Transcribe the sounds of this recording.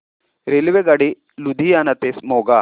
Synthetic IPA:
ɾeliʋeɡɐɽi | lud̪ʱijanɐt̪esmoːɡa

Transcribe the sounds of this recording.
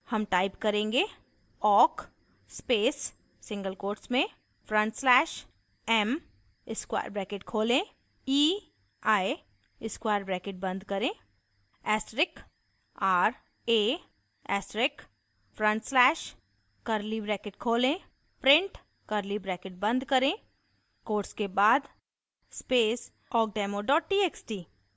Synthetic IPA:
hɐmʈaːɪpkɐɾẽːŋɡe | ɔːk | speːsː | ɪ̃ŋɡəlkoːɾʈsmẽ | fʰɾə̃ɳʈslɛːʃ | ɛm | ɪskwa̰ːjɾbɾɛːkeʈkʰoːlẽ | iː | aːi | ɪskwaːjɾbɾɛːkɪʈ̚bɐ̃nd̪ʱkɐɾẽː | ɛːsʈɾɪk | aːɾ | eː | ɛ̰ːsʈɾɪk | fʰɾə̃ɳʈslɛːʃ | kɐɾlibɾɛːkeʈkʰoːlẽ | pɾɪ̃ɳʈ | kəɾlibɾɛːkɪʈ̚bə̃nd̪kəɾẽː | koːɾskebaːd̪ | speːs | ɔːk̚ɖɛːmoɖɔːʈʈiːeksʈiː

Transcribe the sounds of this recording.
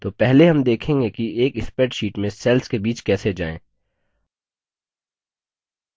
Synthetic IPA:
t̪oːpɛɦleɦɐmd̪eːkʰẽːŋɡekieːkɪspɛːʈʃiːʈmẽsɛːlskebiːt͡ʃkɛːsed͡ʒa̰ːḛ̃ː

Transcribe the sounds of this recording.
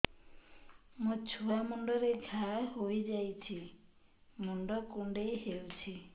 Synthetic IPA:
mut͡ʃʰuamuɳɖɔɾeɡʱaɦojd͡ʒajt͡ʃʰi | muɳɖɔkuɳɖejɦewut͡ʃʰi

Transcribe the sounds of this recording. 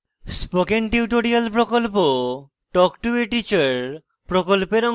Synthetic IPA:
spokenʈiuʈoɾialpɾokolpo | ʈɔkʈueʈit͡ɕaɾ | pɾokolpeɾɔ

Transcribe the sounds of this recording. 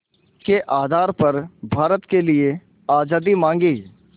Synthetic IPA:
keʔaːd̪ʱaːɾpɐɾbʱaːɾət̪kelɪe | aːd͡ʒaːd̪imãːŋɡiː

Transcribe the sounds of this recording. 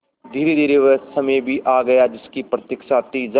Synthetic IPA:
d̪ʱiːɾed̪ʱiːɾeʋəsɐmejbʱiʔaːɡɐjad͡ʒɪskipɾɐt̪jɪkʃat̪id͡ʒ

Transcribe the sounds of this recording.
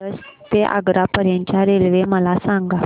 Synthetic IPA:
əst̪eʔa̰ɡɾapəɾjaɲt͡ɕjaɾelʋeməlasãŋɡa

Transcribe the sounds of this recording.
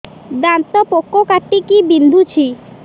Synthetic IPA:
d̪ant̪ɔpokːokaʈːikibind̪ʱut͡ɕʰi

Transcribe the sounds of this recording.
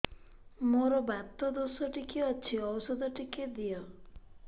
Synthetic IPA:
moɾɔbat̪ɔd̪osɔʈikeɔt͡ʃʰiɔwɔsɔd̪ɔʈiked̪ijɔ

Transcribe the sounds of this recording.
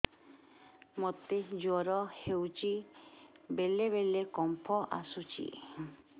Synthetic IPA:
mot̪ed͡ʒɔɾɔhewt͡ʃi | beleβelekɔmpʰɔʔa̰sut͡ʃḭ

